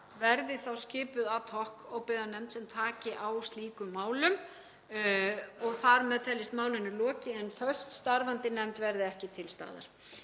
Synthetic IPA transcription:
vɛɾðɪθawscɪːpʏðat̪ʰɔhkɔɣpɪðanɛmt̪sɛmt̪ʰaːcɪʔawst̪liːkʏmːaːwlʏm | ɔɣθaɾmɛðt̪ʰɛlːɪst̪maːwlɪnːʏlɔːcɪɛnfœ̥st̪st̪aɾvant̪ɪnɛmt̪vɛɾðɪɛhcɪt̪ʰɪlst̪a̰ːða̰ɾ̥

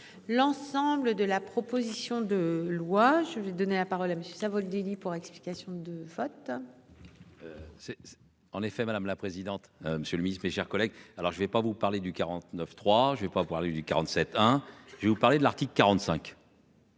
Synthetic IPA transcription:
lɑ̃sɑ̃bləd̪əlapχɔpozisjɔ̃d̪əlwaʒəvɛd̪ɔnelapaʁɔlaməsjøsavɔld̪elipuʁɛkspli̥kʲasjɔ̃d̪əvɔt̪ | øsɛ | ɑ̃nefɛmad̪amlapχezid̪ɑ̃t̪məsjøləminismeʃɛʁkɔlɛɡalɔʁʒəvɛpavupaʁled̪ykaʁɑ̃t̪nœft̪χwaʒəvɛpavupaʁled̪ykaʁɑ̃t̪sɛt̪ɛ̃ʒəvevupaʁled̪əlaʁt̪ikləkːaʁɑ̃t̪sɛ̃k

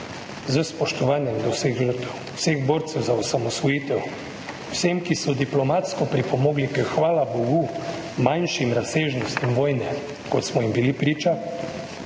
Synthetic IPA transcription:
zəspɔʃt̪ɔʋaːnjɛmd̪ɔwseɣʒəɾt̪ɛw | seɣboːɾt̪sɛwzaɔsamɔsʋɔjiːt̪ɛw | w̥semkisɔd̪iplɔmat̪skɔpɾipɔmɔːɡlikəxʋaːlabɔɡu | manʃimɾaseːʒnɔst̪imʋoːjnɛ | kɔt̪smɔimbilipɾiːt͡ʃa

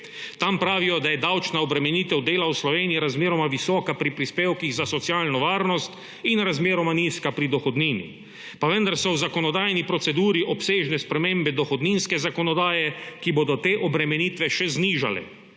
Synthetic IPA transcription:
t̪ampɾaːʋijɔd̪ajɛd̪awt͡ʃnaɔbɾɛmɛniːt̪ɛwd̪eːlawslɔʋeːniiɾazmeːɾɔmaʋisɔːkapɾipɾispeːwkiɣzasɔt̪sjaːlnɔʋaːɾnɔst̪ | inɾazmeːɾɔmaniːskapɾid̪ɔxɔd̪niːnḭ | paʋɛnd̪aɾsɔwzakɔnɔd̪aːjnipɾɔt̪sɛd̪uːɾiʔɔpseːʒnɛspɾɛmeːmbɛd̪ɔxɔd̪niːnskɛzakɔnɔd̪aːjɛkibod̪ɔt̪eːʔɔbɾɛmɛniːt̪ʋɛʃɛzniːʒa̰lɛ̰

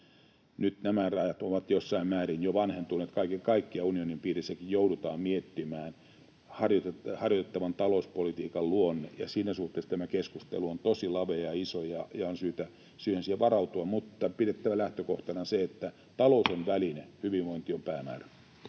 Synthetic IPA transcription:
nyt̪næmærɑjɑt̪oʋɑt̪josːɑimmæːrinjoʋɑnhent̪unːet̪kɑikekɑikːiɑunionimpiːrisːækijjoudut̪ɑːmmiet̪ːimæːn | hɑrjot̪ehɑrjot̪et̪ːɑʋɑnt̪ɑlouspolit̪iːkɑlluonːejɑ̰siːnæsuht̪ːˑeːst̪æmækeskust̪ḛluont̪osilɑʋeɑisojɑjɑonsyːt̪æ | syːhensiæʋɑrɑut̪uɑmut̪ːɑpiɾet̪ːæʋælæht̪økoht̪ɑnɑseet̪ːæ | t̪ɑlousonʋælinehyʋiʋʋoint̪iompæːmæ̰ːræ

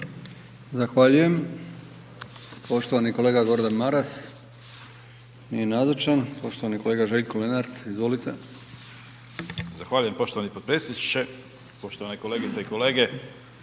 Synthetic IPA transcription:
zaxʋaːʎuje̞m | po̞ʃt̪oʋaniko̞leːɡaɡo̞ɾd̪anmaɾas | nijenazat͡ʃanpo̞ʃt̪oʋaniko̞le̞ɡaʒe̞ʎkole̞naɾt̪izʋo̞lit̪e̞ | zaxʋaːʎuje̞mpo̞ʃt̪oʋanipot̪pɾesit͡ʃe | po̞ʃt̪oanako̞leɡit̪seikoleːɡe

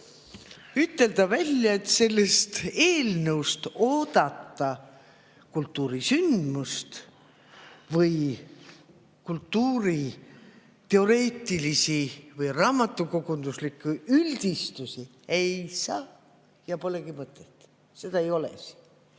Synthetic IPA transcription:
yt̪ːe̞ld̪ɑvælʲjɑe̞t̪se̞lːest̪e̞ːlnəwst̪o̞ːd̪̥ɑt̪ːɑ | kult̪ːuːɾisynd̪̥must̪ | vɯj | kult̪ːuːɾi | t̪e̞o̞ɾe̞ːt̪ːˑilisivɯjrɑːmɑt̪ːˑukoɡund̪uslikːˑuylʲd̪̥ist̪usi | e̞jsɑː | jɑpo̞le̞ɡ̥imɤt̪ˑːet̪ːˑ | se̞d̪ɑejo̞lḛs

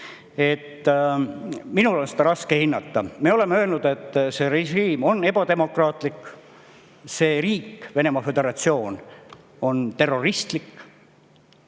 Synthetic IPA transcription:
e̞t̪ː | minulo̞nsed̪ɑɾɑskehinːɑt̪ːɑme̞o̞le̞meø̞ːlnud̪̥e̞t̪ˑːse̞ɾeʒiːmo̞nːe̞b̥ɑd̪̥e̞mo̞krɑːt̪ˑlikː | se̞ːriːkːve̞ne̞mɑfe̞d̪̥e̞ɾɑt̪sio̞ːn | o̞nt̪e̞rːo̞rist̪likː

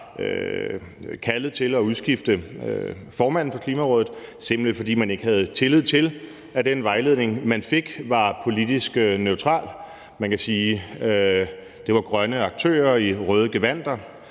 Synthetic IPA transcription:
ø | kʰælð̩ˠt͡sʰe̝lɒ̽uð̞ˠsɡ̥ifd̥ə | fɒːmæn̰̩pʰɒ̽kʰliːmæʁɔ̽ːðð̩ˠsemb̥l̩e̥fɒ̽d̥ḭːmæne̝ɡ̥hæð̞̩ˠt͡sʰe̝lið̞̰ˠt͡sʰe̝l | æd̥enʋɑ̈ɪle̝ðˠne̝ŋmænfe̝ɡ̥ʋɑ̈pʰo̝lid̥isɡ̥nøʊt͡sʰʁɑ̰̈ːl | mænkæsiː | d̥e̝ʋɑ̈ɡ̥ʁɶnəɑ̈ɡ̥̚t͡sʰø̰ːɐiʁœːð̞ˠəɡ̥eʋæn̰d̥ɐ

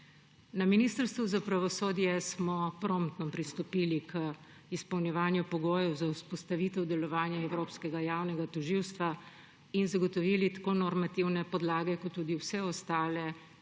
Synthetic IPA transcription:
naminiːst̪əɾst̪ʋuzapɾaʋɔsoːd̪jɛsmɔpɾomt̪nɔpɾist̪ɔpiːlikʰə | ispɐwnjɛʋaːnjupɔɡoːjɛwzawspɔst̪aʋiːt̪ɛwd̪ɛlɔʋaːnjɛɛwɾoːpskɛɡajaːwnɛɡat̪ɔʒiwst̪ʋa | inzaɡɔt̪ɔʋiːlit̪ḁkoːnɔɾmat̪iwnɛpɔd̪laːɡɛkɔt̪ːuːd̪iwsɛɔst̪aːlɛ

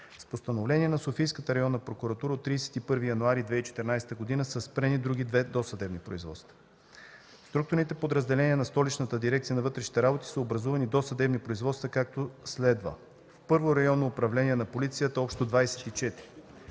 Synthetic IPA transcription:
spost̪ɐnovlɛniɛnɐsofijskət̪əɾɐjɔnːəpɾokuɾɐt̪uɾəot̪ːɾiːsɛ̥t̪ipɤɾvijɐnuaɾid̪vɛit͡ʃɛ̥t̪ɛɾnajsɛ̥t̪əɡod̪inəsəspɾɛnid̪ɾuɡ̟id̪vɛd̪osɐd̪ɛbnipɾo̰izvɔ̰t̪st̪və̥ | st̪ɾuk̚t̪ʊɾnit̪ɛpod̪ɾəzd̪ɛlɛniɛnɐst̪ɔlit͡ʃnət̪əd̪iɾɛkt̪sijənɐvɤt̪ɾɛʃni̥t̪ɛɾabot̪i̥səobɾɐzuvɐnid̪osɐd̪ɛbnipɾoizvɔt̪st̪vɐkak̚t̪oslɛd̪və̰ | fpɤɾvoɾɐjɔnːoːpɾɐvlɛniɛnɐpolit̪sijət̪əɔpʃt̪od̪vajsɛ̥t̪it͡ʃɛt̪ɾi

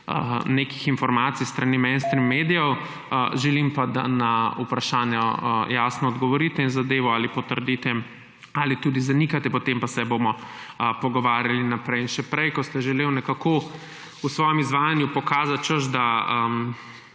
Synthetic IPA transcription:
ənekixinfɔɾmaːt̪sijst̪ɾanimɛnst̪ɾimːed̪ijɔw | ʒɛlimpad̪a̰naupɾaʃaːnjajaːsnɔːd̪ɡɔʋɔɾit̪ɛinzad̪eːʋɔalipɔt̪əɾd̪it̪ɛ | alit̪ud̪izanikat̪ɛpɔt̪empasɛbomɔ | pɔɡɔʋaːɾjalinapɾɛjinʃɛpɾɛjkɔst̪ɛʒɛleːwnɛkako | usʋɔjɛmizʋaːjanjupɔkaːzat̪̚t͡ʃəʃd̪aəm

